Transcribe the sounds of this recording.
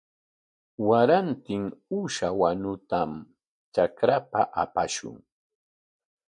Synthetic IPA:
waɾant̪ɪŋuʃawanʊt̪am | t͡ʃakɾapaʔapaʃʊ̰ŋ

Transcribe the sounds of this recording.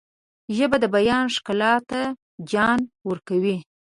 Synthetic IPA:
ʒəbad̪əbajɑnʂkalɑt̪a | d͡ʒɑnwəɾkawi

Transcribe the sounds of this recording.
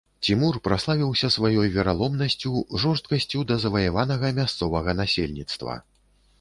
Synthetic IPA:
t͡sʲimurpɾaslˠavʲiwsʲɐsvajɔjvʲɛɾalˠɔmnɐsʲt͡sʲuʐɔʂt̪kɐsʲt͡sʲud̪ɐzɐvɐjavanɐɣɐmʲast̪sɔvɐɣɐnasʲelʲnʲit̪st̪vɐ̰

